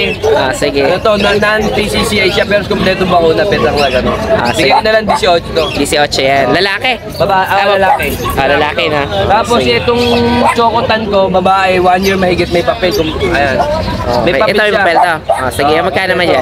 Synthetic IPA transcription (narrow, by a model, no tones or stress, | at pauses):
ʔosɪɡɛt̪ot̪onɐnanp̪isisiʔɐjʃapɛːɾoskʊmplɛːt̪oboɐŋʔunɐpɛd̪ɐŋmɐŋɐɡɐnoo̰sɪɡɡɛʊnɐlɐŋd̪isɪʔoːt͡ʃɛt̪od̪isɪʔoːt͡ʃɛjanlɐlaːkɛ | bɐbaʔʔaaɐlaːkɛʔolɐlaːkɛnat̪aːposɛt̪oŋt͡ʃoːkot̪ɐnko̞bɐbaːʔɛwanjiɹmɐhɪɡɪt̪̚mɐjpɐpɛlkʊŋʔɐjanʔo̰mɐjkjpɐɛt̪omɐjpɐpɛlt̪oʔosɪɡɛjamɐɡ̚kːaːnɐmanjan